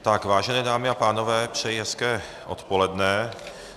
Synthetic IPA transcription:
t̪akvaːʒɛnɛːdaːmɪapaːno̞vɛːpr̝̥ɛjɛskɛː | ʔo̞̰t̪po̞lɛdnɛ

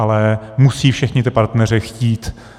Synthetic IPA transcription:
alɛmusiːfʃɛxɲɪt̪ɪpaɾt̪nɛrɪxciːt̪

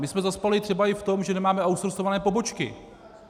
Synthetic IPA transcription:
mɪsmɛzaspalɪt̪r̝̥ɛbaɪft̪o̞mʒɛnɛmaːmɛʔawst̪ɾosovanɛːpo̞bo̞t͡ʃkɪ̰

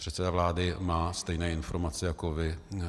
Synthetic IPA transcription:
r̝̥ɛt̪sɛdavlaːdɪmaːst̪ɛjnɛːɪnfoɾmat͡sɪjako̞vɪ

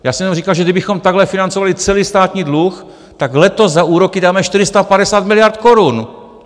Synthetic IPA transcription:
jaːsɛmjɛnmriːkalʒɛdɪbɪxomt̪aɡɦlɛfɪnant͡sovalɪt͡sɛliːst̪aːt̪ɲiːdlux | t̪aɡlɛt̪o̞zzaʔuːɾokɪdaːmɛʃt̪ɪɾɪst̪apadɛsaːt̪mɪlɪjaɾt̪koɾun

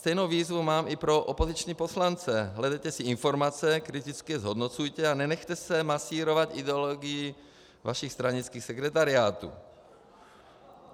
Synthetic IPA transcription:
st̪ɛjnowviːzvumaːmʔipɾoʔopozit͡ʃɲiposlant͡sɛɦlɛdɛjt̪ɛsɪɪnfoɾmat͡sɛkɾɪt̪it͡skɪɛzɦod̪not͡sujt̪ɛanɛnɛxt̪ɛsɛmasiːɾovat̪idɛoloɡɪji | vaʃixst̪ɾaɲit͡skiːxsɛkɾɛt̪̬aɾɪaːt̪ṵː

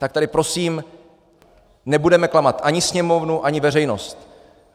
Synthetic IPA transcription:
t̪akt̪adɪpɾo̞siːm | nɛbudɛmɛklamat̪ʔaɲɪsɲɛmo̞vnuʔaɲɪvɛr̝ɛjno̞st̪

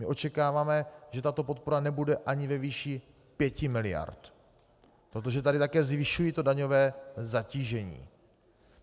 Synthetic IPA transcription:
mɪʔo̞t͡ʃɛkaːvaːmɛʒ̥ɛt̪at̪o̞po̞t̪̚po̞ɾanɛbudɛʔaɲɪvɛviːʃi | pjɛcɪmɪlɪja̰ɾt̪ | pɾot̪̬o̞ʒɛt̪adɪt̪akɛːzvɪʃujit̪o̞daɲo̞vɛːzaciːʒɛɲḭː

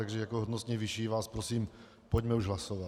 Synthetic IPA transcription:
aɡʒɛjakoɦod̪nost̪ɲɛʋiʃiːʋaːspɾosiːm | poɟmɛuʒɦlasoʋat̪

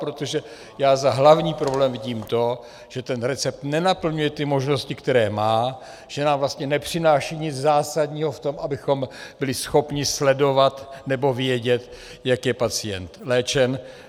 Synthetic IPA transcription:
pɾot̪oʒɛ | jaːzaɦlavɲiːpɾoblɛːmvɪɟiːmt̪o̞ | ʒ̥ɛt̪ɛnɾɛt͡sɛp̚t̪nɛnapl̩ɲujɛt̪ɪmo̞ʒno̞scɪkt̪ɛɾɛːmaː | ʒ̥ɛnaːmvlast̪ɲɛnɛpr̝̥ɪnaːʃiːɲɪd͡zzaːsad̪ɲiːɦo̞ft̪o̞mʔabɪxo̞mb̥ɪlɪsxo̞pɲɪslɛdo̞vat̪nɛbo̞vjɛɟɛt̪ | jakjɛpat͡sɪjɛ̰nt̪lɛːt͡ʃɛn

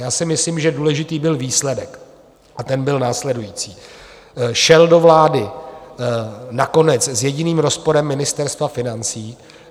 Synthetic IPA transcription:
jaːsɪmɪsliːmʒɛduːlɛʒɪt̪iːbɪlviːslɛdɛk | ʔat̪ɛnbɪlnaːslɛdujiːt͡siː | ʃɛldo̞vlaːdɪ | nako̞nɛt͡szjɛɟɪniːmɾo̞spo̞ɾɛmːɪnɪst̪ɛɾst̪vafɪnant͡siː

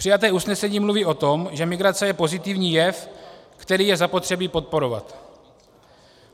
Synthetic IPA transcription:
pr̥ɪjat̪ɛːusnɛsɛɲiːmluviːʔo̞t̪o̞mʒɛmɪɡɾat͡sɛjɛpo̞zɪt̪ɪvɲiːjɛfkt̪ɛɾiːjɛzapo̞t̪r̥ɛbiːpo̞t̪̚po̞ɾo̞va̰t̪

